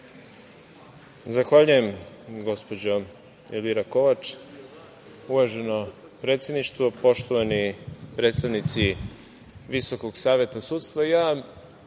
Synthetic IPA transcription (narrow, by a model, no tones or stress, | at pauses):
zaxʋaʎuje̞m | ɡo̞spo̞d͡ʑo | eliɾako̞ʋat͡ʃ | uʋaʒe̞no | pɾe̞ːt̪sje̞d̪niʃt̪ʋopo̞ʃt̪oʋanipɾe̞ːt̪st̪aʋnit̪si | ʋiso̞koɡsaːʋe̞t̪asut̪st̪ʋajaː